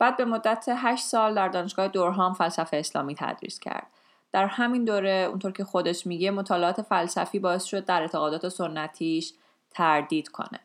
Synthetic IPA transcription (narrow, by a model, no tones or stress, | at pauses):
b̥æːd̪̚be̞mo̞d̪ːæt̪ʰeɦæʃt̪sɒːld̪æɾd̪ɒːneʃɡɒːhed̪oɾɦɒːmfælsæfeːslɒ̰ːmiːt̪ʰæ̰d̪ɾḭːscʰæ̰ɾd̪̥̚ | d̪̥æɾhæmind̪oːɾe̞ṵnt̪ʰoɾcʰe̞xo̞d̪e̞ʃmiɟemo̞t̪ʰɒːleɒːt̪ʰe̞fælsæ̰fiːbɒːe̞sʃo̞d̪ːæɾe̞ɾt̪ʰeɣɒːd̪ɒːt̪ʰe̞sonːæt̪ʰiːʃ | t̪ʰæɾd̪iːd̪̥kʰo̞̰nḛ